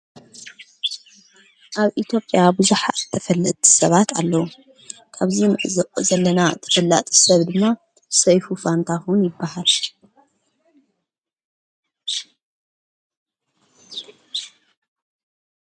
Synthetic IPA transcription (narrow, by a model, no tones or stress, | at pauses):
ʔaβʔit̪ʰjo̞pʼjabɨzuħat̪ʰːɐfɐlːɨt̪ʰsɐβat̪ʰa̰lːɐwu | kʰaβzimʔʼzɐlːɐnat̪ʰɐ̥fɐlːa̰t̪ʼi̥sɐβd̪ɨmːa | sɐjfufant̪ʰaxwʊnjɪbːahal